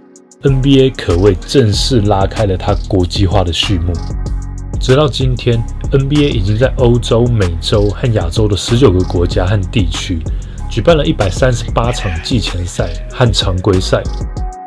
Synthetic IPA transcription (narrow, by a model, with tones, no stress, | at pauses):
ə˦npi˥e˥ɪkʰɤ˨˩we˥˧ɪʈ͡ʂə˥˧ŋʂɻ̩˥˩la˦kʰa˥ɪlə˨t̪ʰa˦kwɔ˧˥t͡ɕi˥xwa˥˩də˨ɕy˥˧mṵ˥˩ | ʈ͡ʂɻ̩˨˥t̪ɑ˥˩ʊt͡ɕi˦nt̪ʰjɛ˦n | ə˦npi˥˧e˥ɪi˨˩t͡ɕi˥ŋt͡sa˥˩ɪʔo˥ʊʈ͡ʂo˦˥ʊme˨˩ɪʈ͡ʂo˦ʊxa˥˩nja˨˩ʈ͡ʂo˥ʊdə˨ʂɻ̩˧˦t͡ɕjo˨˩ʊɡə˨kwɔ˧˥t͡ɕja˥˦xa˥˨˧nt̪i˥˨t͡ɕʰy˦ | t͡ɕy˨˩pa˥˩˨nlə˨ʔi˥˩pa˨˩ɪsa˦nʂɻ̩˧˦pa˥ʈ͡ʂʰɑ˨˩ŋt͡ɕi˥˨t͡ɕʰjɛ˧˥nsa˥˧ɪ | xa˥˩nʈ͡ʂʰɑ˨˧˥ŋkwe˥ɪsa˥˩ɪ